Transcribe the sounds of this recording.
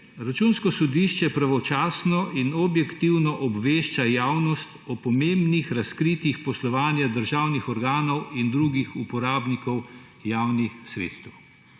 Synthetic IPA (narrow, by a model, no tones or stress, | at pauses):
ɾat͡ʃuːnskɔsɔd̪iʃt͡ʃɛpɾaʋɔt͡ʃaːsnɔʔinɔbjɛkt̪iwnɔʔɔbʋeːʃt͡ʃajaːwnɔst̪ɔpɔmembnixɾaskɾit̪ixpɔslɔʋaːnjad̪əɾʒaːwnixɔɾɡaːnɔwind̪ɾuɡixupɔɾaːbnikɔw | jaːwnixsɾḛt̪st̪ɛw